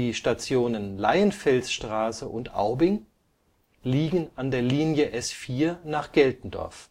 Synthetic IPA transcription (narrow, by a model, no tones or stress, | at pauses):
iːʃtat͡sjoːnənla̰ɪənfɛlsʃtʁ̥aːsəʔʊntʔa̰ʊbɪŋ | liːɡəŋ̩andeːɐliːnjəʔɛsfiːɐnaːχɡ̥ɛltn̩dɔ̰ɐf